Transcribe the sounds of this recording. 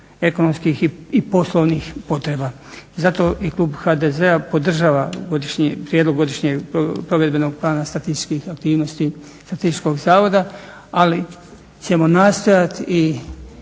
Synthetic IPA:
e̞konomskixiipo̞slˠoʋnixpo̞t̪ɾeba | zat̪o̞ʔikluːbxad̪ezeapo̞d̪r̩ʒaːʋaɡod̪iʃɲipɾjed̪loɡo̞d̪iʃɲeɡopɾo̞ʋe̞d̪̚be̞noɡ̚plˠaːnasat̪ist̪i̥kixak̚t̪iːʋnost̪i | st̪ɾat̪ist̪i̥t͡ʃko̞ɡzaːʋo̞d̪a | ali | t͡ɕe̞mo̞naːst̪o̞jat̪i

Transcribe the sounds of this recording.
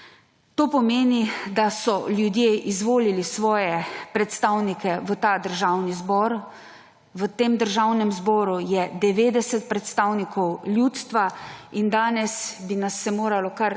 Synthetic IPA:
t̪oːpɔmeːnid̪asɔljud̪jeʔizʋoːlilisʋɔːjɛpɾɛt̪st̪aːwnikɛʋət̪aːd̪əɾʒaːwnizbɔɾ | ʋət̪eːmd̪əɾʒawnɛmzbɔːɾujɛd̪ɛʋeːd̪ɛsɛt̪̚pɾɛt̪st̪aːwnikɔwljuːt̪st̪ʋaind̪aːnɛsbinasːɛmoːɾalɔkaɾ

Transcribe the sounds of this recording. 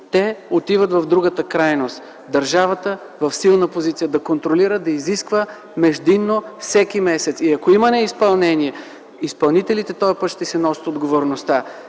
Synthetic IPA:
t̪ɛot̪ivət̪vɐvd̪ɾuɡət̪əkɾajnost̪ | d̪ɐɾʒavət̪ə | vɐfsilˠnəpozit̪sijəd̪ɐkont̪ɾoliɾəd̪ɐiziskvə | mɛʒd̪inːofsɛk̟imɛsɛt̪siɐkoimɐnɛispɐlˠnɛniɛ | ispɐlˠnit̪ɛlit̪ɛt̪ɔɐpət̪ʃt̪ɛsɛnɔsə̥t̪od̪ɡovoɾnost̪a

